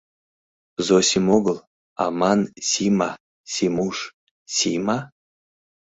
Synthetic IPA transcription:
zosʲimoɡəlˠ | a̰mansʲima | sʲimuʂ | sʲima

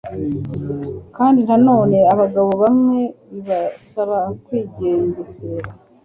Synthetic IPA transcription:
kaːndinhano̞ːne̞aβaɡaβo̞βamŋe̞βiβasaβakwiːɟeːɲɟeseɾ

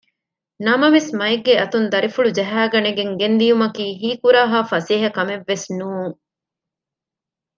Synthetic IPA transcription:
nɐmɐʋesmɐeɡːeɐt̪und̪ɐɾifuɭud͡ʒɐɦæːɡɐneɡeŋɡend̪ijumɐkiːɦiːkuɾaːɦaːfɐseːɦɐkɐmeʋːesnuːŋ

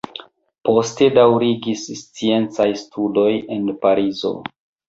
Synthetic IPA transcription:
po̞ste̞dawɾiɡisst͡sie̞nt͡sajstʰudo̞je̞npaɾizo̞̰

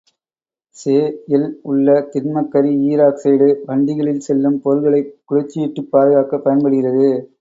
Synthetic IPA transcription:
seːjɪlʊɭːɐt̪ɪɾmɐkːɐɾiiːɾaːkseːɽɯʋɐɳɖɪɣɐɭɪlsɛlːɯmpɔɾɣɐɭɐɪkːʊɻɐt͡ʃːɪjɛʈːɯpːaːðɯɣaːkɐpːɐjɐnpɐɽɯɣɪrɐðɯ

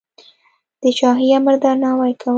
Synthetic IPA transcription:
d̪̥ət͡ʃɑɦiaməɾd̪ɑɾnɑwajkʰaw

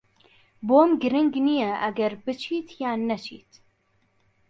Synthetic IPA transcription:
boːmɡɨɾɨŋɡnijɛʔɐɡɛɾbɨt͡ʃʰiːt̪ʰjaːnːɛt͡ʃʰḭːt̪

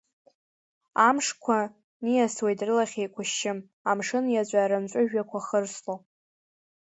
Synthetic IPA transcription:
amʂkʷʰa | nijaswe̞jtrɨlaχʲejkʷʰʊʃɪm | amʂɨnjat͡ɕʷʼaːɾɨmt͡ʃʷʼʊʒᶣakʷʰaχərslo

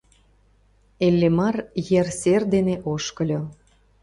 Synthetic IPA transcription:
elʲːemɑrjerserd̪eneʔoʃkə̆lʲo

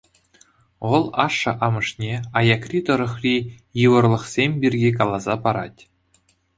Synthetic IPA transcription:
ʋɤ̆lˠɑʂːɤ̆ʔɑmɤ̆ʂnʲeɑjɑkrʲit̪ɤ̆ɾɤ̆χrʲi | jɯʋɤ̆rlˠɤ̆χsʲemʲbʲirʲɡʲikɑlˠɑzɑpɑɾɑ̰tʲ

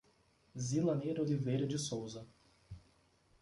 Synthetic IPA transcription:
zilɐnejɾolivejɾɐd͡ʒɪsowzɐ

